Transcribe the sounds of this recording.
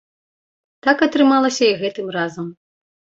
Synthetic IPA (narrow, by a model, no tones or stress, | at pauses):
t̪akɐt̪ɾɨmalˠɐsʲɐiɣɛt̪ɨmrazɐm